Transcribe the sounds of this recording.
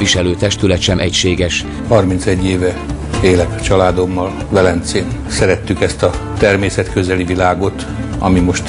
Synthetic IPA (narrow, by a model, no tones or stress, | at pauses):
iʃɛløːt̪ɛʃt̪ylɛt̪ʃɛmʔɛcʃeːɡɛʃ | hɒrmint̪sɛɟːeːvɛ | eːlɛkt͡ʃɒlaːd̪o̞mːɒl | vɛlɛnt̪seːn | sɛɾɛt̪ːykɛst̪ɒt̪ɛrmeːsɛt̪kø̞zɛlivilaːɡo̞t̪ | ɒ̰mimo̞ʃt̪